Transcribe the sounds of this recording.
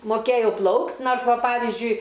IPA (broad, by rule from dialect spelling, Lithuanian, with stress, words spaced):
moːˈkʲeːjɛʊ ˈplˠɐʊktʲ ˈnoːrs ˈʋɐ ˈpɑːʋʲiːzʲd͡ʒʲʊɪ